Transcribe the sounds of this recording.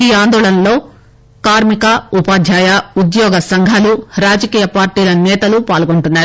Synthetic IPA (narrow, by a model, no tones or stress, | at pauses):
iːaːnd̪ɔːɭɐnɐlo̞ː | kaːɾmikɐupaːd̪ʱjaːjɐud̪jɔːɡɐsɐŋɡʱaːluɾaːd͡ʒɐkiːjɐpaːɾʈiːlɐnɛːt̪ɐlupaːlɡoɳʈunːaːɾu